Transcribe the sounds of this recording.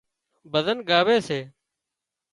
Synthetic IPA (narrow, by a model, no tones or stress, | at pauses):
bəzənɠaːʋeːseː